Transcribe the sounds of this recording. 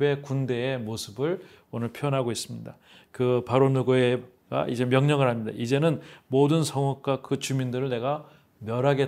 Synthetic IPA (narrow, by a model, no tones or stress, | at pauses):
be̞kunde̞ːmosʰɯbɯɭ | onɯɭpʰiʌnɦaɡois͈ɯmɲida | kɯpaɾonuɡoe | ɡa̰ʔid͡ʑe̞mjʌŋɲʌɡɯɭɦamɲida̰ʔid͡ʑe̞nɯnmodɯnsʰʌŋuk̚k͈wakɯt͡ɕumindɯɾɯɭne̞ɡa | mjʌɾaɡe̞